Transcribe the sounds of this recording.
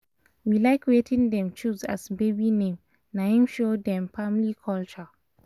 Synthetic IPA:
wilaɪkwetʰɪ̃ŋdɛ̃mt͡ʃuza̰sbebinẽm | naĩmʃodɛ̃mpʰamlikʰɔlt͡ʃɔ

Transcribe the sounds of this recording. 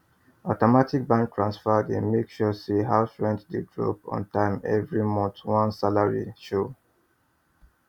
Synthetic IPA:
ɔtɔmatik̚bãnk̚tʰɹãnsfadẽnmekʃɔsiɦaʊfɹɛ̃ntdeɡɹo̰pɔ̰̃ntãɪ̃mɛ̰vɹimɔ̃ntwɔ̃nsalaɹḭʃo

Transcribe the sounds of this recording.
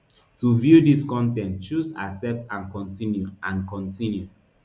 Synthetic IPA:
tuvjudiskɔ̃ntɛ̃ntt͡ʃusa̰sɛp̚tãnkɔ̃ntĩnjuʔãnkɔ̃ntĩnju

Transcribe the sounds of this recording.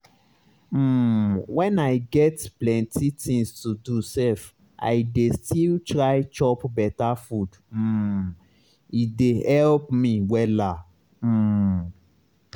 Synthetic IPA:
wɛ̃naɪɡɛtplɛ̃ntitĩŋstudusɛf | ʔa̰ɪdestʰiltɹaɪt͡ʃɔpbɛtafud̩ | idehɛlpmĩwɛla | m̩

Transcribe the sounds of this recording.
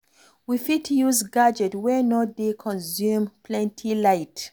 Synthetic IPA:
wifitʰjuzɡad͡ʒɛtwɛnodekʰɔ̃nzjũmpʰlɛ̃ntʰilaɪt

